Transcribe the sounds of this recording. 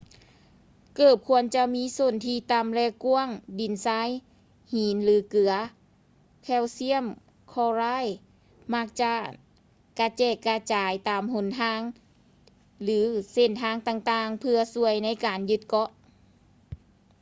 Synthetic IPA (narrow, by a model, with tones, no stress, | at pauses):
kɤː˧˨˩p̚kʰu˧ənt͡ɕa˧miː˧˥so˧˩nt̪ʰiː˧t̪a˧˩mlɛː˧ku˧˥əŋdi˨˩nsaː˧˥˨j | hiː˨˦nlɯː˨˦kɯ˨˩ɐ | kʰɛː˧˩˨wsi˧˥əm | kʰɔː˧˩laː˧˥˨j | ma˧˥k̚t͡ɕa˧ | ka˧t͡ɕɛː˧˩kːaː˧t͡ɕaː˨jt̪aː˨mho˧˥˦nt̪ʰaː˧˥˨ŋ | lɯː˨˦se˧˩˨nt̪ʰaː˧˥˨ŋt̪aː˧˨ŋt̪aː˧ŋpʰɯ˧ɐsu˧əjna˧˥jkaː˨njɯ˧˦t̪̚kɔ˧˥ʔ